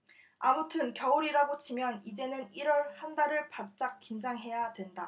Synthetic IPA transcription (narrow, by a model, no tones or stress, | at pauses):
amutʰɯnkjʌuɾiɾaɡot͡ɕʰimjʌnid͡ʑe̞nɯniɾwʌɭhandaɾɯɭpap̚t͡ɕ͈ak̚k͈ind͡ʑaŋɦe̞jadwe̞nda